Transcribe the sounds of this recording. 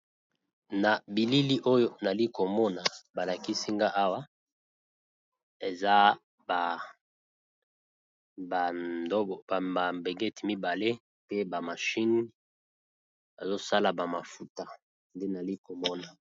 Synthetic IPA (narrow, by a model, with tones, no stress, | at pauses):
na˨bi˨li˦li˦ʔo˦jo˦na˨li˦ko˨mɔ˦na˨ba˨la˨ki˦si˦ŋɡa˦ʔa˦wa˦ | e˨za˦ | ba˨ | ba˨do˦˨a˨a˨mbe˨ɡe˦ti˨mi˦ba˨le˦ | pe˦ba˨ma˨ʃi˦n˦ | ba˨zo˦sa˦la˨ba˨ma˨fu˨ta˨ | nde˦na˨li˦ko˨mɔ˦na˨